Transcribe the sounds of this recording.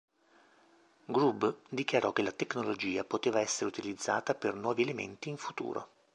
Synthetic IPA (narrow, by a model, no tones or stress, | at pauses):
ɡɾubd̪ikjaɾɔkːelat̪ekːnolod͡ʒiːapot̪eːvaɛsːeɾeut̪ilid̪zːaːt̪apernwɔːvielemḛnt̪iːɱfut̪ṵːɾo̰